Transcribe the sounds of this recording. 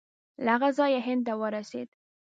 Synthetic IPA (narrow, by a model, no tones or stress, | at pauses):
laɣazɑjaɦɪnd̪̚t̪awəɾasḛd̪